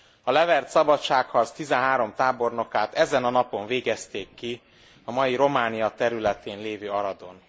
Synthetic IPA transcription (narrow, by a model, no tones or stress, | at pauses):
ɒlɛvɛrt̪sɒbɒtt͡ʃaːkhɒzt̪izɛnɦaːɾo̞mt̪aːbo̞rno̞kaːt̪ɛzɛnɒnɒpo̞ɱveːɡɛst̪eːkːi | ɒmɒjiɾo̞maːnijɒt̪ɛɾylɛt̪eːnleːvøːɒɾɒd̪on